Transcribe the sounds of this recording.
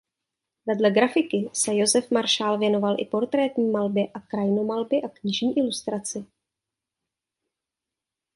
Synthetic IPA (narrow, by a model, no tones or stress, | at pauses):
vɛdlɛɡɾafɪkɪsɛjozɛfmaɾʃaːlvjɛno̞valʔɪ̰po̞ɾt̪ɾɛːt̪ɲiːmalbjɛʔakɾajno̞malbɪʔakɲɪʒɲiːʔɪlust̪ɾat͡sɪ